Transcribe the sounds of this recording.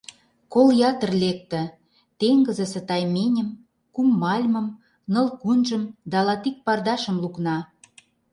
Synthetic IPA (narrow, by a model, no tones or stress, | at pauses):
koljɑt̪ə̆rlek̚t̪ə̆ | t̪eŋɡə̆zə̆sə̆t̪ɑjmenʲə̆m | kumːɑlʲmə̆m | nɤ̆lkunʒə̆md̪ɑlɑt̪ik̚pɑrd̪ɑʃə̆mluknɑ